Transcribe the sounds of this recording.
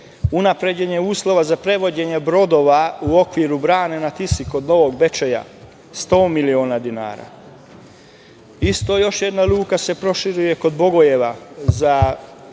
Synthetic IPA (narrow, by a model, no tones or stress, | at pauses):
unapɾe̞d͡ʑe̞ɲe̞uːslˠo̞ʋazapɾe̞ʋo̞d͡ʑe̞ɲe̞bɾo̞d̪o̞ːʋauo̞kʋiɾubɾaːne̞nat̪isiko̞d̪no̞ʋo̞ɡbe̞t͡ʃeja̰ | st̪o̞ːmilio̞ːnad̪ina̰ːɾa̰ | ist̪o̞jo̞ʃjed̪naluːkase̞pɾo̞ʃiɾuje̞ko̞d̪bo̞ɡo̞je̞ʋaza